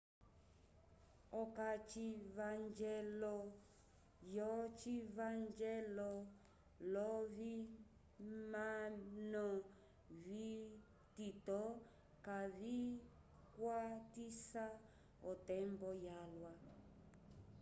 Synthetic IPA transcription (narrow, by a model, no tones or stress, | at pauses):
ɔkat͡ʃivand͡ʒɛlɔ | jɔt͡ʃivand͡ʒɛlɔ | lɔvi | manɔ | vi | titɔ | kavi | kwatisa | ɔtɛmbɔjalwa